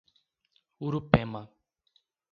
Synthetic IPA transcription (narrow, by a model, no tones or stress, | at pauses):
uɾupema